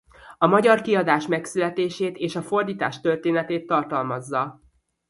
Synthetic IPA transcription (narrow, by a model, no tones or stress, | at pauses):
ɒmɒɟɒrkiɒd̪aːʃmɛksylɛt̪eːʃeːt̪eːʃɒfo̞rd̪iːt̪a̰ːʃt̪ørt̪eːnɛt̪eːt̪ːɒrt̪ɒlmɒzːɒ